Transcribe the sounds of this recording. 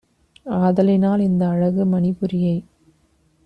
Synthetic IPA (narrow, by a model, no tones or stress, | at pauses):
aːðɐlɪnaːlɪnd̪ɐːɻɐɣɯmɐnɪpɯɾɪjɐɪ